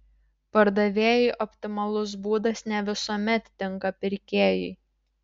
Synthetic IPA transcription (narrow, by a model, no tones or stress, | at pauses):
pɐɾd̪ɐʋʲeːjɛɪʔɔpʲt̪ʲɪmɐlˠʊs̬buːd̪ɐsnʲɛʋʲɪsuːmʲɛt̪ːʲɪŋkɐpʲɪɾʲkʲeːjɛɪ